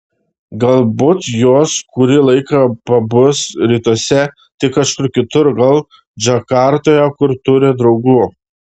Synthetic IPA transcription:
ɡɐlˠbʊːt̪joːskʊɾʲɪlˠɐɪkɐpɐbʊsɾʲiːt̪oɔsʲɛ | t̪ʲɪkɐʃkʊɾkʲɪt̪ʊɾɡɐlˠ | d͡ʒɐkɑɾt̪oːjɛkʊɾt̪ʊɾʲɪd̪ɾɒʊɡuː

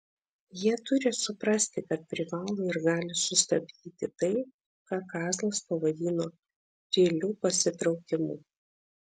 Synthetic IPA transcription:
jiɛt̪ʊɾʲɪsʊpɾɐsʲt̪ʲɪkɐt̪̚pʲɾʲɪʋɑːlˠoːɪɾɡɑːlʲɪsʊst̪ɐbʲd̪ʲiːt̪ʲɪt̪ɐɪ | kɑːkɑːzlˠɐspɐʋɐd̪ʲiːnoː | t̪ʲeːlʲuːpɐsʲɪt̪ɾɒʊkʲɪmṵː

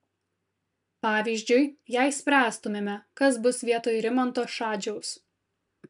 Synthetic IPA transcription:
pɑːʋʲiːzʲd͡ʒʲʊɪjɛɪsʲpʲɾʲæːst̪ʊmʲeːmʲɛkɐsbʊsʋʲiɛt̪oːjɾʲɪmɔnt̪oːʃɑːd͡ʒʲɛʊs

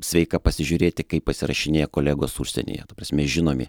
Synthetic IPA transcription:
sʲʋʲɛɪkɐpɐsʲɪʒʲʊɾʲeːt̪ʲɪkɐɪpːpɐsʲɪɾɐ̰ʃʲɪnʲeːjɛkoːlʲæːɡoːsuʃʲsʲɛ̰nʲḛːjɛ̰t̪ɐprɐːsʲmʲɛʒʲɪnoːmʲɪ̰

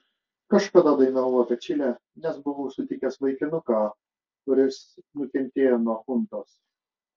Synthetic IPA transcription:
kɐʃkɐd̪ɑːd̪ɐɪnɐʋʋopʲɛt͡ʃʲɪlʲɛː | nʲɛsbʊʋoːʊsʊt̪ʲɪkʲɛsʋɐɪkʲɪnʊkɑː | kʊɾʲɪsnʊkʲɛnʲt̪ʲeːjoːnuɔxʊnt̪oːs

